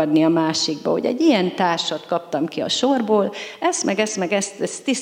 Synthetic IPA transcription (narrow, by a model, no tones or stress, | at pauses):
ɒd̪niɒmaːʃiɡ̚bɒ̰ɦo̞̰ɟɛ̰ɟːijɛnt̪aːrʃɒt̪kɒpt̪ɒmkiɒ̰ʃorboːlɛst̪mʔɛɡɛst̪mɛɡɛst̪ɛst̪ːi